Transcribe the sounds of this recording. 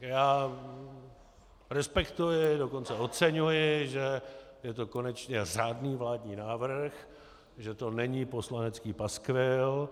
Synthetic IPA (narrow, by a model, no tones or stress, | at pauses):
jaː | ɾɛspɛkt̪ujɪdoko̞nt͡sɛo̞tt͡sɛɲujɪʒɛjɛt̪oko̞nɛt͡ʃɲɛr̝aːdniːvlaːdɲiːnaːvr̩x | ʒɛt̪o̞nɛɲiːpo̞slanɛt͡skiːpaskvɪl